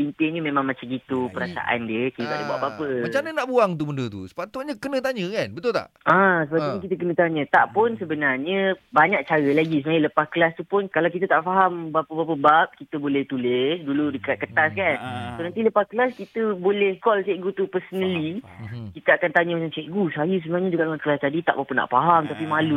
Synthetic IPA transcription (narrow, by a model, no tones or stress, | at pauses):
pint̪ɪɲəmẽmãŋmãt͡ʃamkit̪upəɾasa̰ʔa̰ndjəkit̪ət̪adəbuaʔbapət͡ʃanənaʔbuaŋt̪̬ubəndət̪ṵsə̥pat̪ʊt̪̚ɲəkənə̃t̪aɲə̃kannbət̪ʊlt̪a̰ʔãsəpat̪upunkit̪ək̬ənə̃t̪aɲə̃t̪aʔpʊnsəbənarɲə̃baɲak̚t͡ʃaɾəlaɡisəmailəpaskəlast̪upʊnkalawkit̪ət̪aʔfaɦambapəbap̬əbap̚kit̪əbolɛht̪ulɛsduludəkat̪̚kət̪askansonãnt̪iləpaskəlaskit̪əbolɛhkɔlt͡ʃɛʔɡut̪upərsənəlikit̪əakant̪aɲəmat͡ʃaŋsɛʔɡusəɦajus̬əbənarɲəd͡ʒuɡaʔlakəlast̪adit̪a̰ʔbapənːa̰ʔfaɦamt̪apimãlu